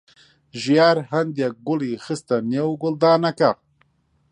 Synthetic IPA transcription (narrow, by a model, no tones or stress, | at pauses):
ʒijaːɾhand̪jak̚ɡʊlixist̪anjewɡʊld̪aːnaka